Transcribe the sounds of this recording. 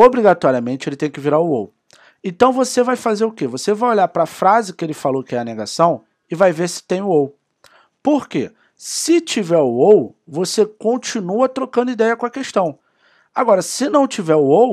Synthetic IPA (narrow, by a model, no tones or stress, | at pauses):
obɾiɡat̪ɔɾiɐmẽnt͡ʃɪelɪt̪ẽj̃kɪviɾaʊo̰w | ẽnt̪ɐ̃w̃vosevajfazeɾʊkevosevajoʎaɾpɾɐfɾazɪkɪelɪfalowkɪɛɐneɡa̰sɐ̃w̃ | ɪvajveɾsɪ̥t̪ẽj̃ʊow | poɾkḛ | sɪt͡ʃivɛɾʊowvosekõt͡ʃinuɐt̪ɾokɐ̃nd̪ʊid̪ɛjɐkõɐkeʃt̪ɐ̃w̃ | aɡɔɾɐsɪnɐ̃w̃t͡ʃivɛɾʊow